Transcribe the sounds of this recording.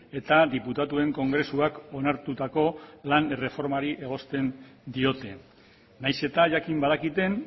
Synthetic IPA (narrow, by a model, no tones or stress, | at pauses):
e̞t̪aðiput̪at̪ue̞ŋko̞ŋɡɾe̞suako̞naɾt̪ut̪ako̞lanere̞fo̞ɾmaɾiʔe̞ɣ̞o̞st̪e̞nd̪io̞t̪e̞ | najse̞t̪aʝakimbað̞akit̪e̞n